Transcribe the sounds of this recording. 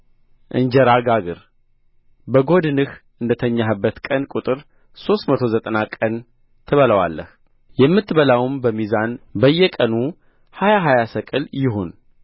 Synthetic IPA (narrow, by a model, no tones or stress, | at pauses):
ʔɨ̰ɲd͡ʒɛɾaɡaɡɨɾ | bəɡo̞d̪ɨnɨhʔɨnd̪ət̪ʰəɲːaɦɨbːət̪kʼənkʼut̪ʼɨɾ | so̞st̪mət̪ʰo̞zət̪ʼənakʼən | t̪ʰɨβələwa̰lːəh | jɛmːɨt̪ʰːβəlawmbəmizanbəjːɛkʼənu | hajaɦajasəkʼɨljɪɦo̞n